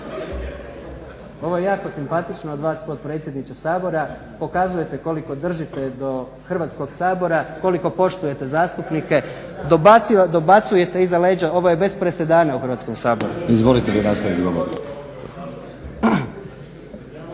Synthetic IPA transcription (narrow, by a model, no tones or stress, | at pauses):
o̞ʋo̞jejaːko̞simpat̪it͡ʃnood̪ʋaːspo̞d̪̚pɾet̪sʲje̞d̪nit͡ʃesaːbo̞ɾa | po̞kazuje̞t̪e̞ko̞liko̞d̪r̩ʒit̪ed̪o̞ | xrʋaːt̪sko̞ɡsaːbo̞ɾako̞liko̞po̞ʃt̪uje̞t̪e̞zaːst̪upnike̞d̪obad̪obat̪suje̞t̪e̞izale̞ːd͡ʑao̞ʋo̞je̞be̞spɾese̞d̪aːnauxɾrʋaːt̪sko̞msaːbo̞ɾuizmolit̪elinast̪aʋit̪ɡoboɾḭ